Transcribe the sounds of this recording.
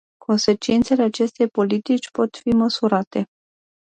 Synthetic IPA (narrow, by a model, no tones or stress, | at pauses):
kʰo̞nse̞t͡ʃint̪se̞le̞at͡ʃe̞st̪e̞jpo̞lit̪it͡ʃʲpo̞t̪fiməsuɾat̪e̞